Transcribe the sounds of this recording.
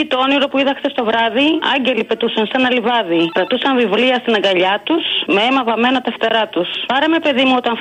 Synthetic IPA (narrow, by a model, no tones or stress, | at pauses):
it̪ooniɾo̞puiðɐkst̪e̞st̪o̞vɾɐðiɐ̰ɲɟe̞lipe̞t̪usɐnsɐnɐlivɐðit̪ɾɐt̪usɐɱvivliɐst̪inɐŋɡɐʎɐt̪usmeemɐvɐme̞not̪ɐft̪eɾɐt̪uspɐɾɐme̞pe̞ðimuo̞t̪ɐn